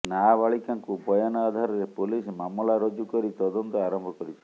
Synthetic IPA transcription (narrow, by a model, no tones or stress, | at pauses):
nabaɭikaŋkubɔjanɔad̪ʱaɾɔɾepolismamlaɾod͡ʒukɔɾit̪ɔd̪ɔnt̪ɔaɾɔmbʱɔkɔɾit͡ʃʰi̥